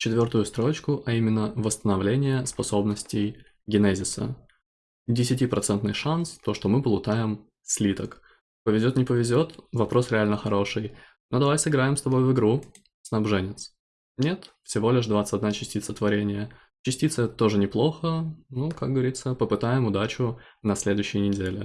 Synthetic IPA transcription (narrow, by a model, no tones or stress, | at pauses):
t͡ɕɪt̪vʲo̞rt̪ʊjʊst̪ɾo̞t͡ɕkʊʔɐimʲɪnːəvəst̪ənɐvlʲenʲɪjəspɐso̞bnəsʲtʲɪj | ɡʲɪnɛzʲɪsə̰ | dʲɪsʲɪtʲipɾɐt̪sɛnt̪nɨjʂanst̪o̞ʂt̪omɨpəlˠʊt̪ajɪm | sʲlʲit̪ək | pəvʲɪzʲo̞t̪nʲɪpəvʲɪzʲo̞t̪vɐpɾo̞sɾʲɪalʲnəxɐɾo̞ʂɨj | no̞d̪ɐvajsɨɡɾajɪmst̪ɐbo̞jvɨɡɾu | snɐbʐɛnʲɪt̪s | nʲe̞t̪fsʲɪvo̞lʲɪʂd̪vat̪sə̥tʲɐd̪nat͡ɕɪsʲtʲit̪sət̪vɐɾʲenʲɪjə | t͡ɕɪsʲtʲit̪səɛt̪ət̪o̞ʐɨnʲɪplˠo̞xənukaɡ̚ɡəvɐɾʲit̪səpəpɨt̪ajɪmʊd̪at͡ɕʊnɐsʲlʲe̞d̪ʊɕːɪjənʲɪdʲelʲɪ̰